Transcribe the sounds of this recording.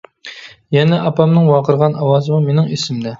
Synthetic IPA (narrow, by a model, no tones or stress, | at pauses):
jɛnɛʔɑpɑmnɨŋwɑqəɾʁɑnɑwɑːzɨmumenɪŋesɪmd̪ɛ